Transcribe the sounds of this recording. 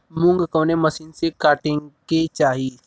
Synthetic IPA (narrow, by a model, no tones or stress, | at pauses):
mʊ̃ŋɡkõːnemɐsiːnsekaːʈɪ̃ŋket͡ʃaːɦi